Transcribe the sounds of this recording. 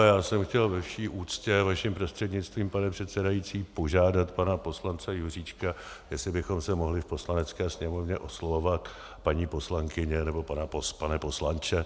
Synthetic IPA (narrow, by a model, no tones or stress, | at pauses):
jaːsɛmxcɛlvɛfʃiːʔuːt͡scɛvaʃɪmpɾo̞st̪r̥ɛdɲɪt͡st̪viːmpanɛpr̝̥ɛt̪sɛdajit͡siːpo̞ʒaːdat̪panapo̞slant͡sɛjur̝iːt͡ʃka | jɛslɪbɪxo̞msɛmo̞ɦlɪfpo̞slanɛt͡skɛːsɲɛmo̞vɲɛʔo̞slovo̞vat̪ | paɲiːpo̞slaŋkɪɲɛnɛbo̞panapospanɛpo̞slant͡ʃɛ